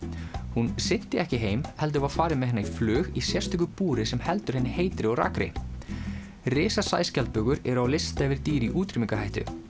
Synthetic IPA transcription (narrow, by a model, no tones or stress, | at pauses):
hunsɪn̥t̪ɪɛhcɪɦeːjmhɛl̪t̪̬ʏvaðfaːɾɪmɛðhɛnːaiflʏːɣisjɛrst̪ʏkʏpuːɾɪsɛmhɛl̪t̪ʏɾ̥hɛnːɪheːjt̪ɾɪɔɾa̰kɾɪ̰ | rɪːsasa̰ːjscalt̪̚pʏɣʏɾɛɾʏawlɪst̪ɛːvɪɾt̪iːɾiʔuːt̪ɾʏmiŋkaɦajht̪ʏ̰